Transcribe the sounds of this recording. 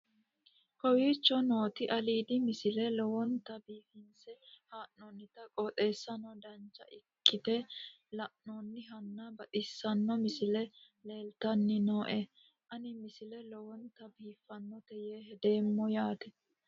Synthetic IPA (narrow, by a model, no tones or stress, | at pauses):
kɔwiːt͡ʃːɔno̞ːt̪ɪʔɐliːd̪ɪmɪsɪlɛlɔwɔnt̪ɐbiːfɪnsɛhaːʔnɔnːɪt̪ɐkʼɔːt̪ʼe̞ːsːɐnɔd̪ɐnt͡ʃːɐ̰ʔɪkːɪt̪ɛ | lɐʔnɔnːɪɦɐnːɐbɐt̪ʼɪsːɐnːɔmɪsɪlɛ | le̞ːlt̪ɐnːɪnoːʔɛ | ʔɐnɪmɪsɪlɛlɔwɔnt̪ɐbiːfːɐnːɔt̪ɛjeːɦɛd̪e̞ːmːɔjaːt̪ɛ̥